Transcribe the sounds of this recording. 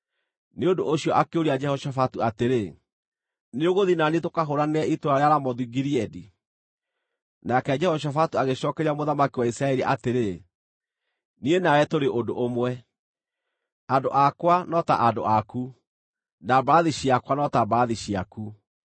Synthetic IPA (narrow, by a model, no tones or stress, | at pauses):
neondoʔoɕiɔʔakeoɾiad͡ʒɛhɔʃafatuateɾe | neoɣoðinanetokaɦoɾaneɛʔitoɾaɾeaɾamɔðuiɡiɾiɛdi | nakɛd͡ʒɛhɔʃ̬afatuaɣeɕɔːkɛɾiamoðamakiwaisɾaɛɾiʔa̰teɾe | nienawɛtoɾeʔodoʔomwɛ | adoʔakwanɔta̰ʔado̰aku | nabaðiɕiakwanɔtabaðiɕiaku